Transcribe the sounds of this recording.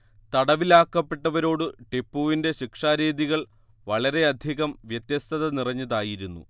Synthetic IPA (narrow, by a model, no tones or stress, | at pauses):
t̪ɐɽɐʋilaːkːɐpːe̞ʈːɐʋɐɾo̞ːɽɨʈe̞pːuːʋinde̞ɕikʂaːɾeːðiɣɐɭ | ʋɐɭɐɾe̞ɐd̪ʱiɣɐmʋjɐt̪jɐst̪ʰɐðɐnirɐɲːɐðaːjiɾunːṵ